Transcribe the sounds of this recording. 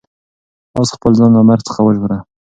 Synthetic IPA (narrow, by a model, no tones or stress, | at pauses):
ɑsxpəlzɑnɑmaɾt͡sə̥xawəʒuɾa